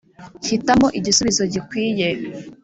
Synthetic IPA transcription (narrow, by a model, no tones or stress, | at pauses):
çitamo̞ʔiɟisuβizo̞ɟikwiːje̞